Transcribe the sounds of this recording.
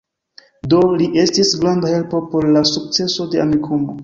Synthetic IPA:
do̞liʔe̞stisɡɾandahe̞lpo̞po̞ɾlasuk̚t͡se̞so̞de̞a̰mikʰumo

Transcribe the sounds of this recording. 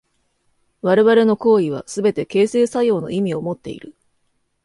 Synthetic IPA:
βaɾeβaɾe̞no̞ko̞ːiβ̞a̰sɨbe̞t̪e̞ke̞ːse̞ːsajo̞ːno̞̰imʲio̞mo̞t̪ːe̞̰ḭɾɯ̟

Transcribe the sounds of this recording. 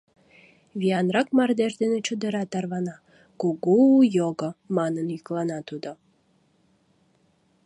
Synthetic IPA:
βiɑnrɑkmɑrd̪eʃd̪enet͡ɕud̪əɾɑt̪ɑrβɑnɑ | kuɡujoɡomɑnənjyklɑnɑt̪ud̪o

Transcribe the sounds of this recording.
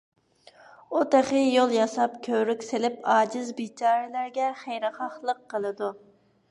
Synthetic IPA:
ut̪eχɪjolˠjɑsɑpkʲʰøɾykʲsɪlɪpɑːd͡ʒɪzbit͡ʃʰɑːɾɨlæɾɡʲɛχejɾɨχɑχlˠəqːəlˠɨd̪u

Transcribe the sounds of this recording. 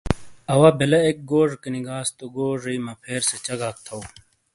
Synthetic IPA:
ɐwaːbelɐek̚ɡoːʐkeniɡaːst̪oɡoːʐiimɐpʰeːɾset͡ɕɐɡak̚t̪ʰɐw

